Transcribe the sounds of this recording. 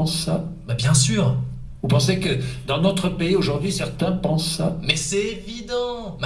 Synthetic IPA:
sːabɛbjɛ̃syːʁ | vupɑ̃sekəd̪ɑ̃nɔt̪χəpeioʒuʁd̪ɥisɛʁt̪ɛ̃pɑ̃sːamɛsɛevid̪ɑ̃m

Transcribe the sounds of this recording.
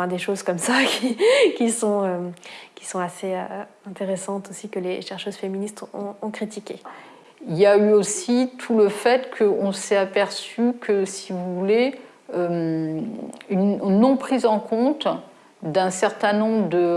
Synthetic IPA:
ɛd̪eʃozkɔmsakʲikʲisɔ̃økʲi̥sɔ̃aseø | ɛ̃t̪eʁesɑ̃t̪osikəleʃɛʁʃøzfeminist̪ɔ̰̃ːkχit̪ikʲe | iljayosit̪ʰuləfɛt̪kʰəɔ̃sɛapɛʁsykʰəsivuvule | øm | ynːɔ̃pχizɑ̃kʰɔ̃t̪ | d̪ɛ̃sɛʁt̪ɛ̃nɔ̃bʁəd̪ə

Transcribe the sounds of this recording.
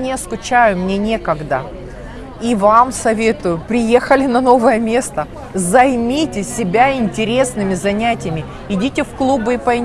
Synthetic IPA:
nʲɪɐskʊt͡ɕæjʊmnʲenʲe̞kəɡd̪ə | ivamsɐvʲe̞t̪ʊjʊpɾʲɪje̞xəlʲɪnɐno̞vəjəmʲe̞st̪ə | zɐjmʲitʲɪsʲɪbʲaɪnʲtʲɪɾʲe̞snɨmʲɪzɐnʲætʲɪjɪmʲɪ | ɪdʲitʲɪfklˠubɨɪpɐɪ

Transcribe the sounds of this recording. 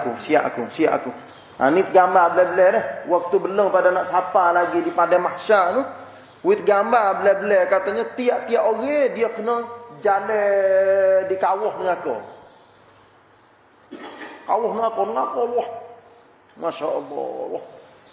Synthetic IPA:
kusia̰ʔa̰kusia̰ʔa̰ku | a̰nit̪əɡambabəlɛbəlɛhnɛhwak̚t̪ubələŋpadanaʔsapalaɡidipadɛmaʃanu | wit̪əɡambabəlɛhbəlɛhkat̪aɲət̪iaʔt̪iaʔoɣɛdiəknəd͡ʒalɛ | dikawɔhnəŋako̰ | kawɔhnəŋakɔnəŋakɔlwɔh | maʃaʔəlːɔ̰lwɔ̰h

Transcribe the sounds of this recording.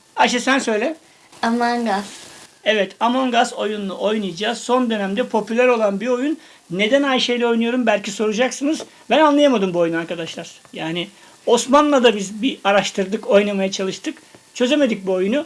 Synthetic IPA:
aʃasænsø̞jlʲɛ | amanɡasɛvɛt̪ʰamoŋɡazo̞junlːˠuʔo̞jnujd͡ʒaːso̞nd̪ø̞næmd̪ɛpʰo̞pʰylʲæɾo̞lˠanbio̞junː | e̞d̪ænhajʃejlʲɛo̞jnujo̞ɾumbælʲciso̞ɾud͡ʒaksɯnɯz | bænanlˠajamad̪ɯmbuo̞junaɾkad̪aʃlˠaɾ̥ | jaːnɪ | o̞smanlˠad̪abizbiaɾaʃt̪ʰɯɾd̪ɯko̞jnamajat͡ʃʰalˠɯʃt̪ʰɯkt͡ʃʰø̞ze̞me̞d̪ic̚buo̞junu

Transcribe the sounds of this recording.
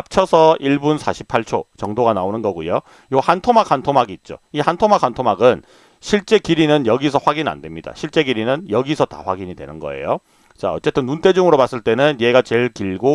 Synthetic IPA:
ap̚t͡ɕʰʌsʰʌiɭbunsʰaɕʰi̥pʰaɭt͡ɕʰot͡ɕʌŋdoɡanaonɯnɡʌɡujo | johantʰomak̚ʰantʰomaɡiːt̚t͡ɕ͈o̰ihantʰomak̚ʰantʰomaɡɯn | ɕʰiɭt͡ɕ͈e̞kiɾinɯnjʌɡisʰʌɸwaɡina̰ndwe̞mɲida̰ɕʰiɭt͡ɕ͈e̞ɡiɾinɯnjʌɡisʰʌta̰ɸwa̰ɡiɲidwe̞̰nɯnɡʌe̞̰jo | t͡ɕaʌ̰t͡ɕ͈e̞t͈ɯnːunt͈ʰe̞d͡ʑuŋɯɾopas͈ɯɭt͈e̞nɯnje̞ɡat͡ɕeɭkiɭɡo

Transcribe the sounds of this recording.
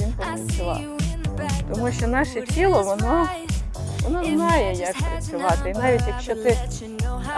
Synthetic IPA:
ʋʲinpɔpɾɐt͡sʲʊʋɑ̰t̪ | t̪ɔmuʃt͡ʃɔnɑʃɛtʲilˠɔʋɔnɔ | ʋɔnɔznɑjɛjɑkpɾɐt͡sʲʊʋɑt̪ɪinɑʋʲitʲjɐkʃt͡ʃɔt̪ɪ

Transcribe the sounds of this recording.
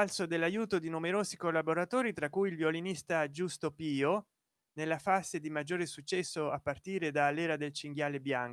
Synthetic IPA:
alsod̪elːajuːt̪od̪inumeɾoːsikolːaboɾat̪oːɾit̪ɾakːujilvjolinist̪ad͡ʒust̪opiːo | nelːafazed̪imad͡ʒːoːɾesut͡ʃːɛsːoapːart̪iːɾed̪alːɛːɾad̪elt͡ʃiŋɡjaːlebjaŋk

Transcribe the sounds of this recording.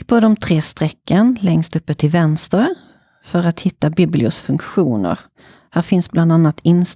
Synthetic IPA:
pʰɔd̪ɔmt̪ʰɾeːst̪ɾɛkːənlɛŋst̪ɵpːət̪ʰɪlvɛnst̪əɾ | fœɾat̪hɪt̪ːabiːblɪʊsfɵŋkɧuːnə̰ɾ | hæːɾfɪnsbland̪anːat̪ɪns

